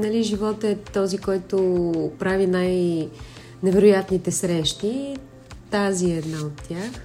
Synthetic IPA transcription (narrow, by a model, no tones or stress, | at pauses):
nɐliʒivɔt̪ɛt̪ɔzikɔjt̪opɾavinaj | nɛvɛɾʊjat̪nit̪ɛsɾɛʃt̪i | t̪aziɛd̪naot̪ːjax